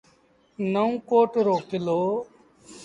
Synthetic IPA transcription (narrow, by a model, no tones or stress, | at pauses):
nəũkoːʈɾoːkɪloː